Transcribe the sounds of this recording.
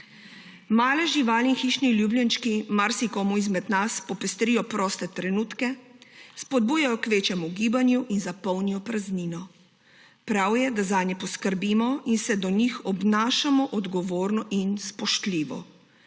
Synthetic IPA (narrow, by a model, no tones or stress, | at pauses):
maːlɛʒiʋaːliinxiːʃniljubljanʃkimaɾsikɔmuizmɛd̪naspɔpɛst̪ɾijɔpɾɔːst̪ɛt̪ɾɛnuːt̪kɛspɔd̪̚buːjajɔkʋeːt͡ʃjɛmuɡiːbanjuʔinzapɔwnijɔpɾazniːnɔ | pɾawjɛd̪azaːnjɛpɔskəɾbimɔinsɛd̪ɔnixɔbnaːʃamɔʔɔd̪ɡɔʋoːɾnɔʔinspɔʃt̪liːʋɔ̰